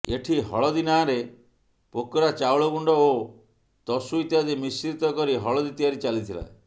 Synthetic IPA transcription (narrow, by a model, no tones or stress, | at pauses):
eʈʰiɦɔ̰ɭɔd̪inaɾe | pokɔɾat͡ʃawɭɔɡuɳɖɔo | t̪ɔsuit̪iad̪emisiɾit̪ɔkɔɾiɦɔɭɔd̪it̪iaɾit͡ʃalit̪ʰila̰e